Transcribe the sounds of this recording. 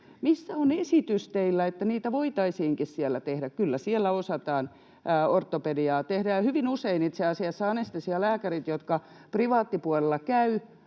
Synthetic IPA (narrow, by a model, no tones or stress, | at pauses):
misːæonesit̪yst̪eilːæet̪ːæniːt̪æʋoit̪ɑisiːŋkissielːæt̪ehdækkylːæsielːæosɑt̪ɑːnː | ort̪ːopediɑːt̪ehdæjɑhyʋinuseinit̪seɑsiɑsːɑɑnest̪isiɑlæːkærit̪jot̪kɑ | priʋɑːt̪ːipuolelːɑkæy